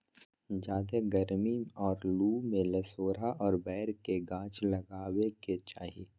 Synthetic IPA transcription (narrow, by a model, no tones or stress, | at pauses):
d͡ʒaːd̪eɡɐɾmiɔːɾluːmẽlɐsoːɾaʔɔːɾbɛːɾkeɡãːt͡ʃlɐɡaːweket͡ʃaːɦiː